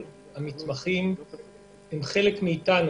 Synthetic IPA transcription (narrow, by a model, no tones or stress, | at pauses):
hamitmaχim | hemχe̞lekmiːtan